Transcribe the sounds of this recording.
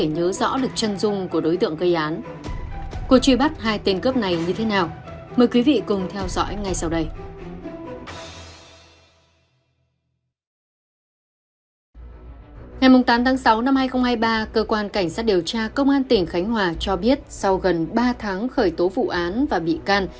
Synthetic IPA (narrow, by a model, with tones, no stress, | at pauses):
e˧˩ɲəː˨˦zɔ̰˧˥ɗɨ˨˩ək̚t͡ɕə˧nzʊ˧ŋ͡mku˧˩əɗo˨˦jt̪ɨ̰˧˨əŋkə˧jʔaː˨˦n | ku˧˩əkt͡ɕwi˧˩ɓa˦˥t̚ɦaː˧jt̪e˧nkəː˦˥p̚na˨˩jɲɨ˧t̪ʰe˨˦naː˨˩wməː˨˩jkwi˨˦vḭ˧˨kʊ˨˩ŋ͡mt̪ʰɛ˧wzɔ̰˧˥jŋa˨˩jsa˧wɗə˧j | ŋa˨˩jmʊ˨˩ŋ͡mt̪aː˨˦mt̪ʰaː˨˦ŋsa˨˦wna˧mhaː˧jxə˧ŋ͡mhaː˧jɓaː˧kəː˧kwaː˧nka˧˩jŋ̟saː˦˥t̚ɗi˨˩əwt͡ɕaː˧kə˧wŋ͡mʔaː˧nt̪ï˧˩ŋ̟xa˨˦jŋ̟ɦwaː˨˩t͡ɕɔ˧ɓi˦˥ət̚sa˧wɣə˨˩nɓaː˧t̪ʰaː˨˦ŋxəː˧˩jt̪o˨˦vṵ˧˨ʔaː˨˦nvaː˨˩ɓḭ˧˨kaː˧n